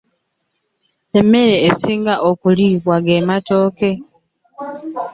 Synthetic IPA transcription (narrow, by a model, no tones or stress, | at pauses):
emːe̞ɾeːsiːŋɡaʔokuliβwaɡematoːke̞